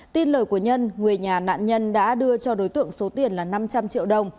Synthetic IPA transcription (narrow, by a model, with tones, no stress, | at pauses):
t̪i˧nləː˨˩jku˧˩əɲə˧nŋɨ˨˩əjɲaː˨˩na̰ː˧˨nɲə˧nɗa̰ː˧˥ɗɨ˧ət͡ɕɔ˧ɗo˨˦jt̪ɨ̰˧˨əŋso˨˦t̪i˨˩ənlaː˨˩na˧mt͡ɕa˧mt͡ɕḭ˧˨əwɗə˨˩wŋ͡m